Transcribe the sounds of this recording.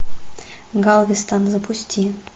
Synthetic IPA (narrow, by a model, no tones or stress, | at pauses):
ɡɑlˠvʲɪst̪ɑnzəpusʲtʲʰi